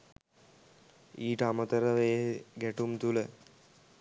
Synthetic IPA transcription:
iːʈəamət̪əɾəʋeːɡæʈumt̪ulə

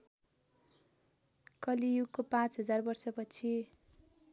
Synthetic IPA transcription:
kʌlijukopãt͡sɦʌd͡zarbʌrsʌpʌt͡sʰi

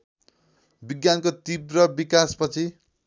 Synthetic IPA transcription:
biɡjankot̪ibrʌbikaspʌt͡sʰi

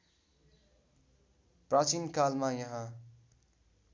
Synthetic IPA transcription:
prat͡sinkalmajʌɦã

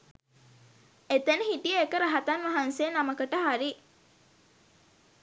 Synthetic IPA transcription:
et̪enəɦiʈijəekəɾəɦat̪anʋaɦansejːnaməkəʈəɦaɾi

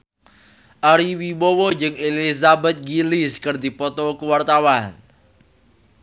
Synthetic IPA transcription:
ʔaɾiwiwɔwɔd͡ʒɨŋelizabɛt̪̚ɡiliskərd̪ipɔt̪ɔkəwart̪awan

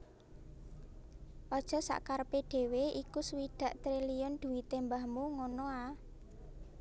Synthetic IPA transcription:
ʔɔd̥ʒ̥ɔ̤sa̰ʔkarpeɖ̪̥e̤weikuswid̪̥ä̤ʔt̪ɾilijɔnd̪̥ṳwit̪embahmuŋɔnɔa

